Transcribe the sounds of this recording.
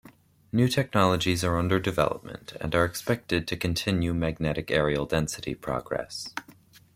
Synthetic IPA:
nʉtʰɛk̚nɑlˠəd͡ʒizə˞ʌ̃ndə˞dɨvɛ̰lˠə̰p̚mə̰̃ntʰɨ̰̃nə˞ɨkspɛk̚tɨd̚tʰɨkʰɨ̃n̩tʰɪ̃njʉmæɡ̚nɛɾɨkɛɹiəl̩ˠdɛ̃nsɨɾḭpʰɹ̥ɑ̰ɡɹɛ̰s

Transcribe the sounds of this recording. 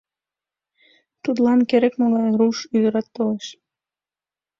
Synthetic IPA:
t̪ud̪lɑnkeɾekmoɣɑjruʃyd̪əɾɑt̪ːoleʃ

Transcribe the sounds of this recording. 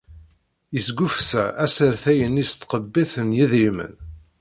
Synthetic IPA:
jəsɡufsæʔæsəɾθæjənist̪ːqəbːiθənjiðimə̰n

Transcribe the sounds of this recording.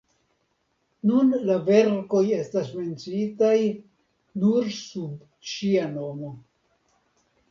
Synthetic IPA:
nunlave̞ɾko̞je̞stasme̞nt͡sitaj | nuɾsub | ʃiano̞mo̞

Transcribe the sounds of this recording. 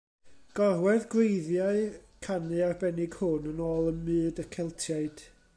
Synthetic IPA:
ɡ̥ɔrwɛðɡwejðjaɨkʰanɨarbɛnɪɡ̥hʊnənoːlˠənmɨːdəkʰɛlˠtʰjaɨd̥

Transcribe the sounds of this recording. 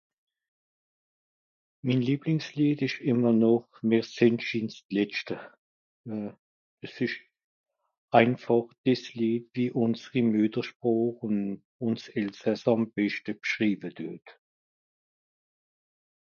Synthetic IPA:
miːnliːblɪŋsliːtɪʃɪmɐnɔχmiːʁsɪntʃɪnstlɛt͡ʃtə | əsɪʃ | ʔaɪnfɑχd̥ɪsliːtviːʔʊnsəʁimydəʃpʁɔːχʊn | ʊnsɛlsɛsɑmb̥ɛʃtəbʃʁiːbəd̥øt

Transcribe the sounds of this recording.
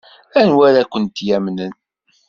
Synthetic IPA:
ænwæɾakʷːənt̪jæmnən

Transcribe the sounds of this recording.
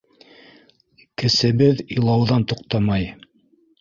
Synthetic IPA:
kɘ̆sɘ̆βɘðilˠɑwðɑnt̪uqt̪ɑmɑj

